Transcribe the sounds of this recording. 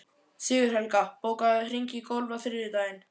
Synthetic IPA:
sɪːɣʏɾ̥hɛlkapoːwkaðr̥ɾiɲcɪkowlvaθɪɾɪðɪt̪aːjɪn

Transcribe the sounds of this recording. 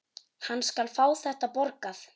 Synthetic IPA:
hanːskalfaːwθɛht̪apɔɾkaθ

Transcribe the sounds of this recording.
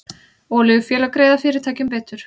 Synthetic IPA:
ɔːlɪɣʏfjɛːlakɾeːjðafɪɾɪɾ̥t̪ʰaːjcɪmpɛːt̪ʏɾ̥

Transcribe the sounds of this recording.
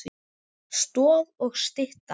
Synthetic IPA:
st̪ɔːðɔɣst̪ɪht̪a

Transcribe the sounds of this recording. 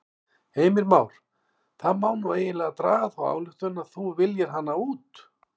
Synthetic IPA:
heːjmɪɾmaːwɾ̥ | θaðmawnueːjɪnlɛːɣat̪ɾa̰ːɣaθawa̰ːwlʏxt̪ʏnaðθuvɪljɪɾ̥ɦanːauːt̪

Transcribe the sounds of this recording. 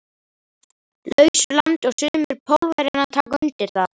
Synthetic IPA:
lœɥsʏɾlant̪ɔɣsʏːmɪɾ̥pʰowlvajɾɪnat̪ʰaːkaʏnt̪ɪɾ̥θað

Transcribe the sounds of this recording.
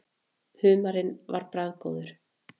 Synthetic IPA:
hʏːmaɾɪnva̰ɾpɾaðko̰wðʏɾ̥

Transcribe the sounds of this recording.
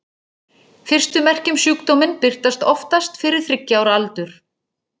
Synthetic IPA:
fɪr̥st̪ʏmɛr̥cʏmsjyːkt̪ɔmɪnpɪr̥t̪ast̪ɔft̪ast̪fɪɾɪɾ̥θɾɪcːaːwɾalt̪ʏɾ̥

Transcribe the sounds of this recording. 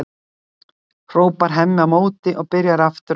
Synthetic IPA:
r̥oːwpaɾ̥ɦɛmːɪamoːwt̪ɪʔɔɣpɪɾjaɾaft̪ʏ

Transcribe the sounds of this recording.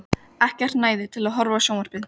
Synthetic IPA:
ɛhcɛr̥t̪naːjðɪt̪ʰɪlaðɦɔɾvasjownaɾ̥pɪð

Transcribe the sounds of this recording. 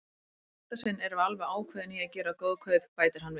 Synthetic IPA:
ḁt̪asɪnːɛɾavalvaaːwkʰvɛːðniaðcɛːɾakowðkʰœɥppaːjt̪ɪɾ̥hanːvɪ

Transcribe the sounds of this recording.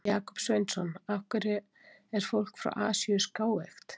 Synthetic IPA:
jaːkɔ̥psvejnt̪sɔnafkʏɾɪ | ɛɾ̥fowl̥kfɾa̰wʔaːsiʏskaːwext̪

